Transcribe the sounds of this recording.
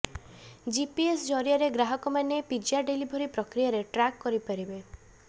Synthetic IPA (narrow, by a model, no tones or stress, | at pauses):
d͡ʒipiesd͡ʒɔɾiaɾeɡɾaɦɔkɔmanepid͡ʒjaɖelibʱoɾipɾɔkɾijaɾeʈɾakːɔɾipaɾibe